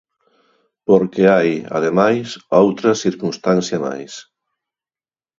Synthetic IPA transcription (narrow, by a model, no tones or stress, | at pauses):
poɾkeajɐ̰ðemajsowt̪ɾɐsiɾkunst̪anθjɐma̰js